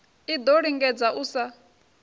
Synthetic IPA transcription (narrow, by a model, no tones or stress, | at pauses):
id̪ɔɺiŋɡɛd͡zaʔusa